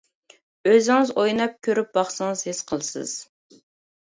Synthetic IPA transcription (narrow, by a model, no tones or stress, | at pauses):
øzɪŋɨzojnɑp̚kʲʰøɾyp̚bɑχsɨŋəz̥hɪsqʰəlˠsɨ̰z̥